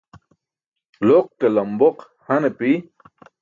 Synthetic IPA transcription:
loq̚kelamboq | hanepi

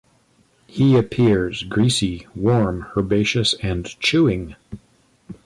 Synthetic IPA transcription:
hiɨpʰɪɹzɡɹisiwɔɹmhə˞beɪʃɨsɨ̃nt͡ʃʰʉɪ̃ŋ

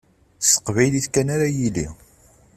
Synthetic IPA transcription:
sə̥qvæjliθkænaɾajilḭ

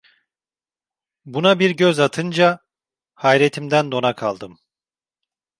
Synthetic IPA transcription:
bunabiɾɟøzat̪ʰɯnd͡ʒa | hajɾet̪ʰimd̪ænd̪o̞nakʰalˠd̪ɯm

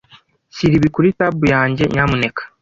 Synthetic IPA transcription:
siɾiβikuɾitabujaːɲɟe̞̰ɲaːmune̞kḁ

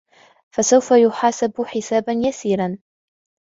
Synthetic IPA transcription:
fasawfajʊħaːsabħɪsaːbanjasiːɾan

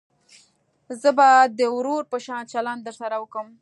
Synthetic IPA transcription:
zəbad̪əwɾoɾpəʃɑnt͡ʃaland̪əɾsaɾawəkəm

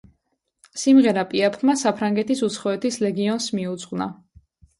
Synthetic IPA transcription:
simʁɛɾapʼiapʰɾmasapʰɾaŋɡɛt̪ʰisut̪sʰχɔɛt̪ʰislɛɡiɔnsmiut̪sʼʁwna

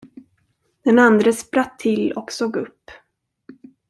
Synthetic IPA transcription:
d̪̥ɛnand̪ɾəspɾat̪ʰːɪlːɔksoːɡɵpː

